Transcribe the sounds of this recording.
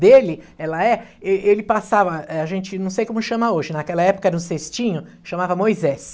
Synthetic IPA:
d̪elɪ | ɛlɐɛeelɪpasavɐɛaʒẽnt͡ʃɪnɐ̃w̃sejkõmʊʃɐ̃maoʒɪnakɛlɐɛpʊ̥kɐɛɾɐũsest͡ʃĩɲʊ | ʃɐ̃mavɐmojzɛs

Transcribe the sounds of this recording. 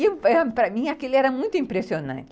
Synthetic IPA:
ewɛɐpɾɐmĩakelɪɛɾɐmũj̃t̪ʊĩmpɾesionɐ̰̃nt͡ʃ

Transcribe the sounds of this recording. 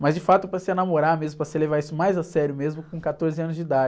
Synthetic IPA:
mɐzd͡ʒɪfat̪ʊpɾɐsɪenamoɾaɾmezmʊpɾɐsɪlevaɾisʊmajzasɛɾjʊmezmʊkõkat̪oɾzɪɐ̃nʊzd͡ʒɪd̪ad͡ʒ

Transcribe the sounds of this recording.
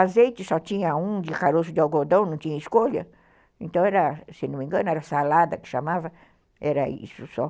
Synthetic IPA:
azejt͡ʃɪsɔt̪ĩɲɐũd͡ʒ̪ɪkaɾosʊd̪ɪawɡod̪ɐ̃w̃nɐ̃t̪ĩɲɐiskoʎɐ | ẽnt̪ɐ̃w̃ɛɾɐsenũmẽɡɐ̃nʊɛɾɐsalad̪ɐkɪ̥ʃamavɐ | ɛɾɐḭsʊsɔ

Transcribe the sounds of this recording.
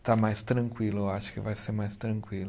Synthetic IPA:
t̪amajst̪ɾɐ̃ŋkwilʊewaʃʊ̥kɪvajseɾmajst̪ɾɐ̃ŋkwilʊ

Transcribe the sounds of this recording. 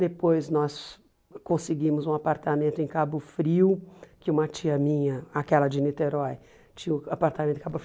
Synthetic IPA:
d̪epojznɔs | kõsɪɡĩmʊzũapaɾt̪amẽnt̪ʊẽj̃kabʊfɾiwkɪũmɐt͡ʃiɐmĩɲɐakɛlɐd͡ʒɪnit̪eɾɔj | t͡ʃĩʊapaɾt̪amẽt̪ẽkabʊf

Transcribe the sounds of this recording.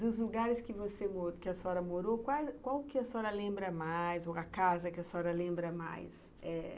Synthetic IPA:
d̪ʊzluɡaɾɪskɪvosemoɾkɪɐsɔɾɐmoɾokwakwawkɪɐsɔɾɐlẽmbɾɐmajzoɐkazɐkɪɐsɔɾɐlẽmbɾɐma̰js | ɛ

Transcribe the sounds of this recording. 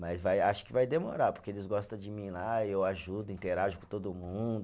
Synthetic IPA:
mɐzvajaʃʊ̥kɪvajd̪emo̰ɾapʊɾkeelɪzɡɔst̪ɐ̃d͡ʒɪmĩlaewaʒud̪ʊĩt̪eɾaʒʊkõt̪od̪ʊmũd̪ʊ

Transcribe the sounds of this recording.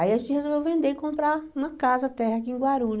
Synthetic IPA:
aiaʒẽnt͡ʃɪhezovewvẽnd̪eɪkõmpɾaɾũmɐkazɐt̪ɛhɐk̬iĩɡwaɾũʎ

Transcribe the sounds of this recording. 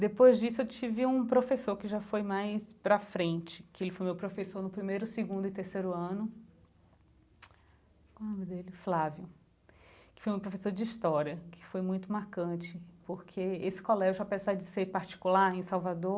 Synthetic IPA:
d̪epojzd͡ʒisʊewt͡ʃivɪũpɾofesoɾkɪʒafojmajspɾɐfɾẽt͡ʃɪ̥kɪelɪfojmewpɾofesoɾnʊpɾimejɾʊsɪɡũnd̪ʊɪt̪eɾsejɾʊɐ̃nʊ | nõmɪd̪elɪflavjʊ | kɪ̥fojumewpɾofesoɾd͡ʒɪist̪ɔɾiɐkʰɪ̥fojmũj̃t̪ʊmaɾkɐ̃t͡ʃɪpoɾkʰeesɪ̥kolɛʒʊapezaɾd͡ʒɪseɾpaɾt͡ʃi̥kulaɾẽsawvad̪oɾ

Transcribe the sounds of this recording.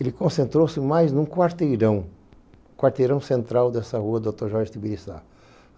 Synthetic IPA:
elɪkõsẽnt̪ɾowsɪmajznũkwaɾt̪ejɾɐ̃w̃ | kwaɾt̪ejɾɐ̃w̃sẽnt̪ɾawd̪ɛsɐhuɐd̪ot̪oɾʒɔɾʒɪt̪ibiɾisa̰

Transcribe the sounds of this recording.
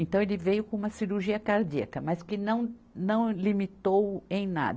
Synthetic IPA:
ẽnt̪ɐ̃w̃elɪvejʊkõũmɐsiɾuɾʒiɐkaɾd͡ʒiɐkɐmɐskɪnɐ̃w̃ | nɐ̃w̃limit̪owẽj̃na̰d̪

